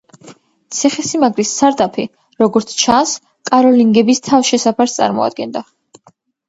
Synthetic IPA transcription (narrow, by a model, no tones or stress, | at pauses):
t̪sʰɛχɛsimaɡɾisːaɾt̪ʼapʰi | ɾɔɡɔɾt̪sʰt͡ʃʰans | kʼaɾɔliŋɡɛbist̪ʰafʃɛsapʰast̪sʼa̰ɾmɔ̰a̰d̪̥̚ɡɛnd̪a